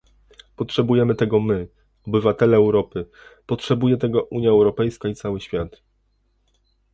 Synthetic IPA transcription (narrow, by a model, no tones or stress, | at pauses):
pɔtʂɛbujɛmɘt̪ɛɡɔmɘ | ɔbɘvat̪ɛlɛːwɾɔpɘ | pɔtʂɛbujɛt̪ɛɡɔʔuɲjaɛwɾɔpɛjskait̪sawɘɕfʲjat̪